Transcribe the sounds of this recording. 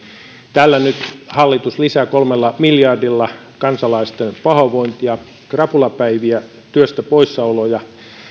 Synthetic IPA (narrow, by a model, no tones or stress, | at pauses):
t̪ælːænyt̪hɑlːit̪uslisækolmelːɑmiljɑrdilːɑ | kɑnsɑlɑist̪enpɑhɑʋoint̪ijɑ | krɑpulɑpæiʋiæ | t̪yøst̪æpoisːɑolojɑ